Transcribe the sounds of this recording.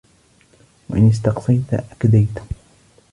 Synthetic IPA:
wa̰ʔɪnɪst̪ɑqsˤɑjt̪aʔakad̪ajt̪

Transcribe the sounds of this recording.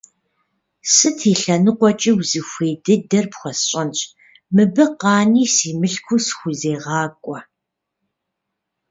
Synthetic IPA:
sɨtʰiːɬɐnɨqʷɔt͡ʃʼiwzixʷeːdɨdɐrpxʷɔsɕʼɐnɕʼ | mɨbɨqɑːniːsiːmɨɬkʷʰʊsxʷʊzeːʁɑːkʷʼɔ

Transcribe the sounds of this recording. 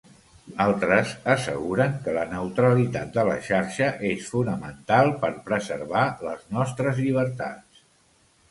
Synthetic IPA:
alˠt̪ɾəsəsə̰ɣuɾəŋkələnəwt̪ɾəlit̪at̪̚d̪ələ̰ʃaɾʃəʔesfunəmənt̪alˠpəɾpɾəzəɾβaləznɔst̪ɾəzʎiβ̞əɾt̪a̰ts

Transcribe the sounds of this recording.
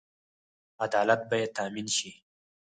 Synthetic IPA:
ad̪ɑːlat̪̚bajet̪aːminʃi

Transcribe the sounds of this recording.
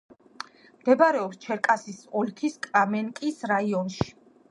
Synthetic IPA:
md̪̥ɛbaɾɛɔpst͡ʃʰɛɾkʼasisɔlkʰiskʼɾamɛnkʼisɾaiɔnʃi̥

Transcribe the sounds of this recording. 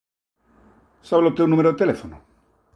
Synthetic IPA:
saβelot̪ewnũmeɾoðet̪elefono

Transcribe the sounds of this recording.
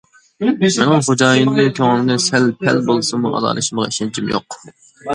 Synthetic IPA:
mɛnɪŋχod͡ʒɑːjind̪ɨk̪ʲʰoŋlˠmd̪ɨnsɛlpʰɛlbolˠɨsmuʔɑ̰d̪ɑ̰ːlˠɨʃimʁɑiʃɛnt͡ʃʰimjo̰q

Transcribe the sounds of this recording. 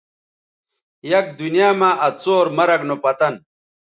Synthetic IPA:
jɐk̚d̪unjaːmaːʔɐt͡soːɾmɐɾɐknopɐt̪ɐn

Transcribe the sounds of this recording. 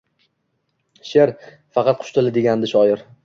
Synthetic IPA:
ʃeɾ | fɑqʰɑt̪̚qʰʊ̥ʃt̪ʰɪlɪd̪e̞ɡʲand̪ɪʃɒjɪɾ

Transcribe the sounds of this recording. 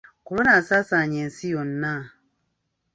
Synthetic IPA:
koɾonasasaɲɛn̩sijɔn̩na

